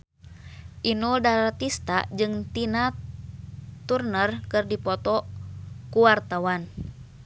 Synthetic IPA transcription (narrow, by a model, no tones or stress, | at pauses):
ʔinudaɾart̪ist̪a̰d͡ʒɨŋt̪ina | t̪urnərkɨrdipɔt̪ɔ | kuwart̪awan